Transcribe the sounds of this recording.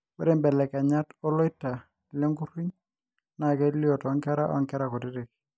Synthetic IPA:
wɛ˦ɾe˦˨mbɛ˨lɛ˨kɛ˨ɲa˦tɔ˦lɔ˦ɪta˨ | lɔ˦ŋɡu˦ru˦ɲ | na˨kɛ˦li˦ɔ˨tɔ˦ŋkɛ˦ɾa̰˦ʔɔ̰˦ŋkɛ˦ɾa˨kɔ˨dɪ˦ɾe˨k

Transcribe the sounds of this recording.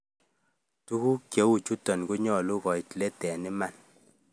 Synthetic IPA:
tu˦ku˦kje˨˦wu˨t͡ʃu˦tɔ˨nku˦ɲɔ˦˨lu˦kɔ˨i˨tle˦tɛ˨ni˦ma˨n

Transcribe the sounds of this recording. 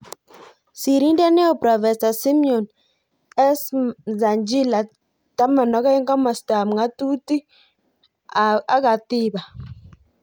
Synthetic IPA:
si˨ɾi˦ndɛ˦nɛ˦ɔ˦˨pɾɔ˨fɛ˨sa˨si˦mjɔ˨n | ɛ˦sza˨nd͡ʒi˦la˨ | ta˦ma˨nɔ˨˦ka˦ŋɡa˦ma˨sta˨m˨ŋa˦tu˦ti˦ | a˨˦ka˨tɪ˦ba˨

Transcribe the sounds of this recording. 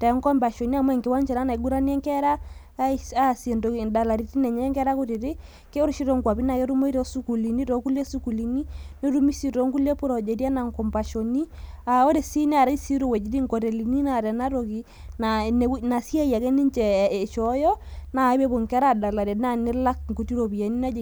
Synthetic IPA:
tɛ˨˦ŋ˦kɔ˦mba˨ʃo˨ni˦a˦˨mwɛ˦˨ŋke˨wa˦ɲt͡ʃɛ˨na˦na˨i˦ɡu˦ɾa˦n˦ɛ˦ŋkɛ˦ɾa˦ | a˦˨se˨ndo˨da˨la˨ɾi˨˦ti˦nɛ˨ɲɛ˦ŋkɛ˦ɾa˦ko˦te˨ɾe˦ | ke˦o˦ɾʃi˦ɾo˦ŋkwa˨pi˦na˨ke˦ɾu˦mo˦i˦ɾɔ˦su˦ku˨li˨ni˦ɾɔ˨ku˦le˦su˦ku˨li˨ni˦ne˦ɾu˦mi˦si˨to˨˦ŋku˦le˦pu˦ɾɔ˨d͡ʒe˨ɾi˦a˦na˨ŋkɔ˨mba˨ʃo˨ni˦a˨o˦ɾe˨si˦ne˦a˨ɾa˦i˦si˦ɾo˦˨wɛ˨d͡ʒi˨˦ɾi˦ŋko˨te˨li˨ni˦na˨ɾɛ˨na˦ɾo˨ki˨˦ | na˨n˨˦na˨si˦a˦ja˨ke˦ni˦ɲt͡ʃɛ˨e˨ʃɔ˨˦jɔ˦na˨˦βe˦βo˨ŋkɛ˦ɾa˦˨da˨la˨ɾe˨na˦ne˦la˦kŋ˨ku˨ti˦ɾo˨bi˨a˨ni˦na˦d͡ʒ

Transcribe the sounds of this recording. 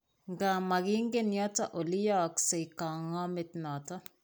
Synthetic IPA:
ŋɡa˨ma˨ɡɪ˦ŋɡe˦njɔ˦ta˦ʔo˨li˦jɔ˦kse˨ika˨ŋɔ˦mɪ˨tnɔ˨tɔ˦

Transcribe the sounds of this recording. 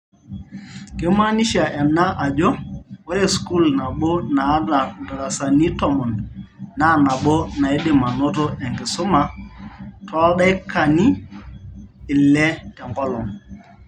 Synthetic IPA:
ke˦ma˦ni˦ʃi˦a˨ʔɛ˨nːa˦ʔa˨d͡ʒo˦wo˦ɾe˦sku˦lna˨ɓo˦na˨˦da˨nda˨ɾa˨sa˨ni˦tɔ˨mɔ˨nna˦na˨ɓo˦na˨e˦de˨ma˨no˦to˦ʔɛ˨ŋɡɪ˨sʊ˦ma˨ | tɔ˦a˦ɗa˦i˦ka˨ni˦˨ | lːɛ˦tɛ˨ŋɡɔ˦lɔ˨ŋ

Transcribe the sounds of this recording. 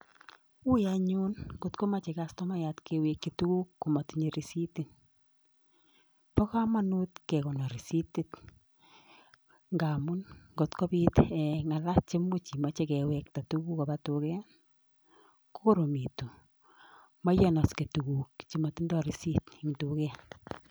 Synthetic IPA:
u˦jaɲu˦nɡo˨tko˦ma˦t͡ʃe˨ka˦stɔ˦ma˦jatkewekːetu˦ku˦kːu˨ma˨tɲe˨ɾi˨si˦ti˦n | pɔ˦ka˦ma˦nu˦tkɛ˨kɔ˨nɔ˨ɾi˨si˦ti˦t | ŋɡa˨mu˦nŋɡo˨tkɔ˦pi˦tɛŋa˨la˦t̚t͡ʃe˦mu˦t͡ʃi˨ma˦t͡ʃe˦kɛwɛk̚ta˨tu˦ku˦kɔ˨pa˨tukɛ˦ | ko˦ko˦ɾo˨mi˨tu˨ | ma˦jɔ˦na˨ske˨tu˨ku˨kt͡ʃi˨ma˨ti˦ndɔ˦ɾi˨si˦ti˨ŋtukɛ˦

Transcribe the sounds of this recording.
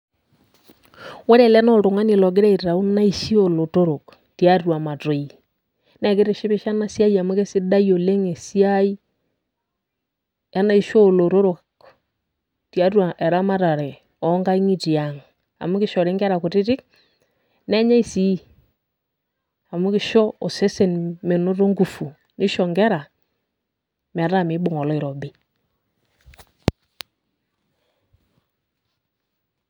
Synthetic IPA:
wɛ˦ɾɛ˦˨lɛ˦nɔ˦ɾo˨ŋa˦ni˨lɔ˨ɡ̬e˦ɾɛ˦i˨ɾe˨ɾa˨o˦na˦i˦ʃi˦o˦˨lo˨to˦ɾo˨k | ti˨a˦rwa˨ma˨to˨i˨ | nɛ˨ke˦ɾe˨ʃi˦βi˦ʃa˦na˦sja˦i˦a˨mu˦ke˦si˦da˦jo˨le˦ŋe˨sa˦i˦ | ja˦na˦i˦ʃo˦lo˨ɾo˦ɾo˨k | tja˦rwa˨ʔɛ˨ɾa˦ma˦ɾa˨ɾe˨ | ɔ˨˦ŋɡa˦i˦ŋi˦ti˨a˨ŋ | a̰˨mu˦kɪ˦ʃɔ˨ɾɪ˦ŋɡɛ˦ɾa˨kʊ˨tɪ˦tɪ˦k̚ | nɛ˦ɲa˦i˦si˦ | a˨mu˦kɪ˦ʃɔ˦ɔ˨sɛ˦sɛ˦˨nme˨no˦ɾo˦ŋɡu˨fu˨ | nɪ˦ʃɔ˨ŋɡɛ˦ɾa˨ | m˨ɾa˦mɪ˨˦bʊ˨ŋɔ˨lɔ˦ɪ˨ɾɔ˨bɪ˦

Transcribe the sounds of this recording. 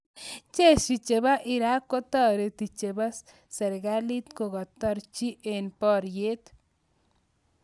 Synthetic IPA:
t͡ʃe˦ʃi˨t͡ʃe˨βa˦ʔɪ˨ɾa˦kːo˦t̪ɔ˦ɾe˨t̪i˨t͡ʃe˨ba˦s | sɛ˨ɾɣa˦li˦t̪ko˨ɣɔ˨t̪ɔ˦ɾt͡ʃi˦ʔe˨npɔ˦ɾje˦t̪

